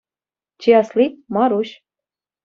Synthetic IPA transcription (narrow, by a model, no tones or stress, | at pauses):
t͡ɕeɑslimɑɾuɕ